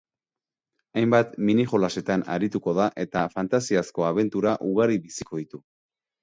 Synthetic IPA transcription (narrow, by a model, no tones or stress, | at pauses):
ajmbat̪miniʝo̞lase̞t̪ana̰ɾit̪uko̞ð̞aʔe̞t̪afant̪asiasko̞aβ̞e̞nt̪uɾaʔuɣaɾiβisiko̞ð̞it̪u